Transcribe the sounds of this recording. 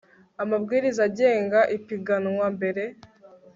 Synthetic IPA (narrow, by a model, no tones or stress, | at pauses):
amabɡiːɾizaɟe̞ːŋɡaʔipiɡanwambe̞ɾe̞